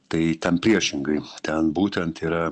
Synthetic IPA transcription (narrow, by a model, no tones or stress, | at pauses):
t̪ɐɪt̪ʲɛnpʲɾʲiɛʃʲɪŋɡɐɪt̪ʲɛnbuːt̪ʲɛnt̪iːɾɐ